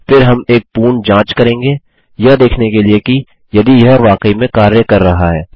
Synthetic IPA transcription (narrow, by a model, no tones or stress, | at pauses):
fɪɾɦɐmeːk̚puːɳd͡ʒãːt͡ʃkɐɾẽːŋɡeː | jɐd̪eːkʰnekelieki | jɐd̪ijɐɦʋaːkəimẽkaːɾjekɐɾːɐɦaɦɛː